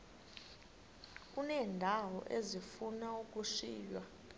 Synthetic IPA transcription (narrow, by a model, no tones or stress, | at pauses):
k̬ʼunɛːndʱawɔ̰ʔezifunauk̬ʼuʂiːjwa